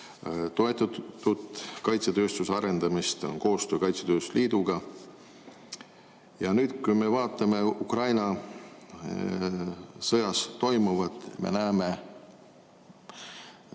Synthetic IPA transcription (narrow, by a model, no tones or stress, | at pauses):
t̪o̞et̪ːˑɑud̪kɑjt̪set̪ø̞ːst̪usɑɾe̞nd̪̥ɑmist̪o̰nko̞ːst̪øːkɑjt̪set̪øːst̪u̥liːd̪uɡ̥ɑ | jɑnyːd̪̥kujme̞vɑːt̪ːˑɑme̞ukrɑjnɑ | sɤjɑst̪o̞jmuvɑt̪ˑmḛnæːme̞